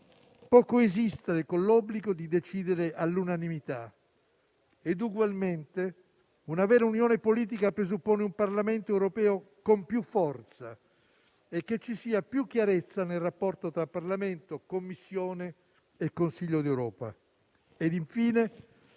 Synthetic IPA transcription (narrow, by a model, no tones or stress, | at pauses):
pɔːkoezist̪eɾekonlɔbːliɡod̪id̪et͡ʃiːd̪eɾeʔalːunanimit̪a | ed̪uɡwalment̪e | unavɛːɾaunjɔːnepoliːt̪̬ikapɾezupːoːneumparlament̪oɛwɾopɛːo | kompjufːɔrt̪sa | ekːet͡ʃːisiːapjukːjaɾet̪sːanelrapːɔrt̪ot̪ɾapːarlament̪okomːisːjoːne | ekːonsiʎːod̪ewɾɔːpa̰ | ed̪iɱfiːne